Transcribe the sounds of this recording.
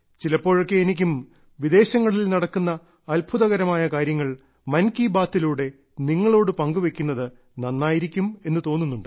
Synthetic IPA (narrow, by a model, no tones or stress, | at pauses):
t͡ɕilɐpːo̞ːɻokːe̞ːnik̬ʲːum | ʋid̪e̞ːɕɐŋːɐɭilnɐɽɐkːunːɐ | ɐlbʱʰuðɐɣɐɾɐmaːjɐkaːɾjɐŋːɐɭ | mɐnkibaːt̪ːiluːɽe̞ | niŋːɐɭo̞ːɽɨpɐŋɡuʋe̞kʲːunːɐðɨ | nɐnːaːjiɾikʲːume̞nːɨt̪o̞ːnːunːuɳɖɨ